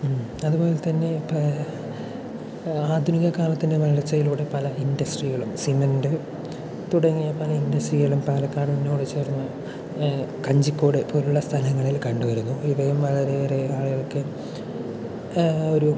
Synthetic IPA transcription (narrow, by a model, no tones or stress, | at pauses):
m | ɐðubo̞ːlet̪ɐnːe̞ | aːd̪ʱuniɣɐkaːlɐt̪ːinde̞ʋɐɭɐɐt͡ɕːɐjiluːɽe̞pɐlɐindɐsʈriɣɐɭumsimɐndɨ | t̪uɽɐŋːijɐpɐlɐindɐsʈriɣɐɭumpaːlɐkːaːɽminːouːɽet͡ɕe̞ːrunːɐ | kɐɲd͡ʑikːoːɽepoːluɭːɐst̪ʰɐlɐŋːɐɭilkɐɳɖuʋɐɾunːuiʋɐjumʋɐɭɐɾereaːɭuɣɐɭkɨ | o̞ɾu